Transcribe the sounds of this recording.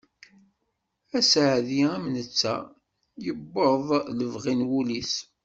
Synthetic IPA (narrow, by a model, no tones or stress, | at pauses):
æsʕðiæmnət͡sːæ̰ | jəbːəðˤləvʁinwulis